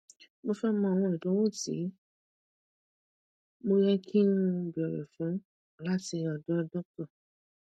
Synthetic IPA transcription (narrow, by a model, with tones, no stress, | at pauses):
mo˧fɛ˦mɔ̃˧˨w̃ɔ̃˧˨i˨dɔ̃˨˦wo˦˨tḭ˨˦ | mo˧jɛ˧kʰi˦nũ˦bi˨ɔ˨ɾɛ̰˨fũ˨˦ | la˦ti˧ɔ˨dɔ˦˧˦dɔ˦k̚tɔ˦˨